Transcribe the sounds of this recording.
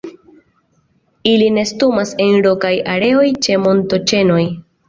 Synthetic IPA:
iline̞stumase̞nɾo̞kajaɾe̞o̞jt͡ʃe̞mo̞nto̞t͡ʃe̞no̞j

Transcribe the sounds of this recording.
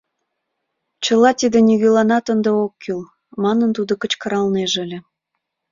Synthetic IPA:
t͡ɕə̆lɑt̪id̪enyɣølɑnɑt̪ənd̪eokʰːyl | mɑnənt̪ud̪okə̆t͡ɕkə̆ɾɑlneʒəlʲĕ

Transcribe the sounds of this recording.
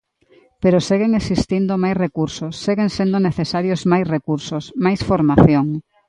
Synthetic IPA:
peɾoseɣeŋesist̪ind̪omajsrekuɾsosːeɣeŋsend̪oneθesaɾjozmajsrekuɾsosmajsfoɾmaθjoŋ

